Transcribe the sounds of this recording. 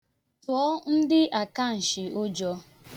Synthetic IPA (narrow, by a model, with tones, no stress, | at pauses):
tɔ˦n̩˦dɪ˦ʔa˨ka˦˨n̩˨ʃɪ˨ʊ˦d͡ʒɔ˦